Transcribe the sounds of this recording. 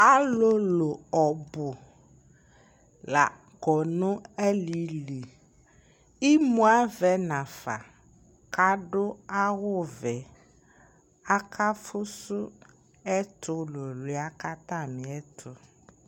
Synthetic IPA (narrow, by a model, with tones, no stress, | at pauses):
a˦lo˦lo˨ɔ˨bʊ˨ | la˨ | ɡɔ˨nʊ̃˦ɛ˦li˨li˨ | i˦mũ˦a˦vɛ˨˦nã˨fa̰˨ | ka˨ɖʊ˦a˦wʊ˦vɛ˨ | a˦kʰa˦fʊ˦sʊ˦ | ɛ˦tʰʊ˨lo˨lʊ˨˦a˦ka˦t̪ã˦˨mɪ̃˨ɛ˦tʰʊ˨